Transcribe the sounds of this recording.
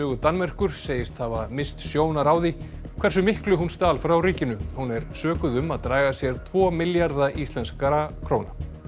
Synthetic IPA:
œːɣʏt̪anmɛr̥kʏɾ̥seːjɪst̪havamɪst̪sjoːwnaɾawði | kʰv̥ɛrsʏmɪhklʏɦunst̪aːlfɾawriːcɪnʏhunɛɾsœːkʏðʏmaðt̪ɾaːjɣasjɛɾ̥t̪ʰvɔːmɪljaɾðaʔist̪lɛnskaɾakʰɾoːwna

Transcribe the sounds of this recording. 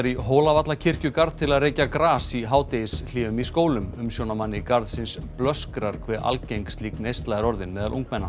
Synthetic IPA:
ɾiɦoːlavat̪lacʰɪr̥cʏkaɾðt̪ʰɪlaðreːjcakɾaːsiɦaːwt̪ejɪsl̥ɪːʏmiskoːwlʏmʏmsjoːwnamanːɪkaɾðsɪnsplœskɾaɾ̥kʰvɛːʔa̰lcejŋkst̪liːknejst̪laɣɪɾɔɾðɪnmɛːðalʔṵŋkmɛnːa

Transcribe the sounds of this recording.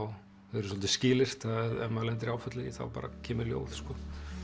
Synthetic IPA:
w | hɛɾʏsɔlt̪ɪscɪːlɪr̥t̪aðɛmalɛnt̪ɪɾaːwfœt̪lɪθa̰wpa̰ːɾa̰cʰɛːmɪɾljo̰ːwð̥skɔ

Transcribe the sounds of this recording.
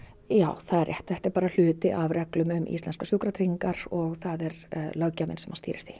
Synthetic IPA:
jaːwθaðɛɾʔɛ̰ht̪θɛht̪ɪɾpaːɾal̥ʏːt̪ɪʔavɾɛklʏmʏmʔḭst̪ɛnskasjowkɾat̪ɾiŋkaɾ̥ɔɣθaðɛɾlœɣcːamɪ̰nsɛmhanst̪iːɾɪɾ̥θi

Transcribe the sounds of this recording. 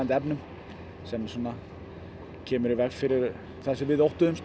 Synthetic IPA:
nt̪ɛpnʏm | sɛmsɔːnːa | cʰɛːmʏɾɪvɛxfɪɾɪɾ | θasɛvɪðowht̪ʏʏms

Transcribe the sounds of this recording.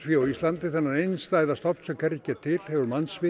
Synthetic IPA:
fjowist̪lant̪ɪθɛnːaɾejnst̪aːjðast̪ɔpn̥sɛmkʰɛɾɪcɛt̪ʰːɪl̥hɛvʏɾmansvɪ

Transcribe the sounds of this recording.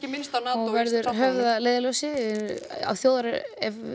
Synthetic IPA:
ɪmɪnst̪anaɔɣvɛɾðʏɾɦœvðaleːjðalœwsɪ | a̰wθjoːwðaɾɪɛv

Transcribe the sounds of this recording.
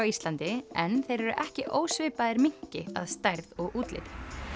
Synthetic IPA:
awist̪lant̪ɪɛnθejɾɛɾʏʔɛhcɪʔoːwsvɪːpaðɪɾmiɲ̥cɪa̰ðst̪ajɾðɔɣuːt̪lɪ̰t̪ɪ̥

